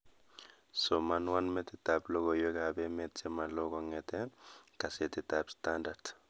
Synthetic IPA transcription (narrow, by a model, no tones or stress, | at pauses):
sɔmːɐnwɐnmɛt̪ɪt̪ablɔɡɔjɔɡabɛmet͡sːɛmɐlːɔɡɔŋːɛt̪ɛkɐsɛt̪ɪt̪abst̪and̪ɐɾd̪